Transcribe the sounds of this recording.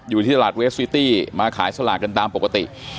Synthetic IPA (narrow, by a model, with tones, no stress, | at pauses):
juː˨˩t̪ʰiː˥˩t̪a˧aː˨˩we˦˥swiː˦˥t̪iː˥˩maː˧kʰaː˩˦jsa˧laː˨˩t̪̚ka˧nt̪aː˧mpo˨kːa˧t̪ḭ˨˩ʔ